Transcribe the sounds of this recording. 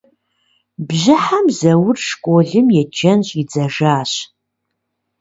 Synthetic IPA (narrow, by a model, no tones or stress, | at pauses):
bʑɪħamzɐwʊrʂkʷʼoɮɨmjɛd͡ʒɐnɕʼid͡zɐʒaːɕ